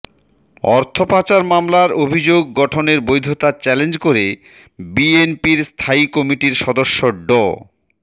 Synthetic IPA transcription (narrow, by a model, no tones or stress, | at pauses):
ɔɾt̪ʰopat͡ɕaɾmamlaɾobʱid͡ʑoɡːɔʈʰoneɾbojd̪ʱot̪at͡ɕɛlend͡ʑkoɾe | bienpiɾst̪ʰaikɔmiʈiɾʃɔd̪oʃːoɖɔ